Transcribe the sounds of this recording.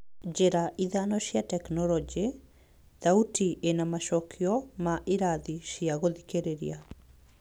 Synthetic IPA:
d͡ʒeɾaʔiðanɔɕjatɛknɔlɔd͡ʒe | ðautiʔenamaʃɔkʰiɔmaʔiɾaðiʃiaɣoðikeɾeɾḭa

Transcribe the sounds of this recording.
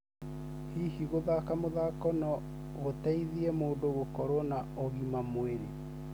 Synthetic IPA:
hihiɣoðakamoðakɔnɔ | otɛiðiɛmoːndoɣokɔɾɔnaɔɣimamweɾe

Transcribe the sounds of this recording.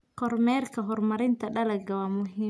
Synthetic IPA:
qɔrmɛːrkʰɐɦɔrmɐɾɪnt̪ʰɐɗɐlɐɡɐwaːmʊɦiː

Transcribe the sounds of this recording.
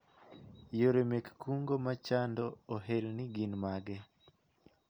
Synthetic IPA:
joɾemekːuŋɡomat͡ʃandɔːɦelniɡinmaɡe

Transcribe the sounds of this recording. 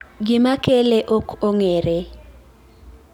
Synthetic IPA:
ɡɪmakeleʔokʰoŋeɾe

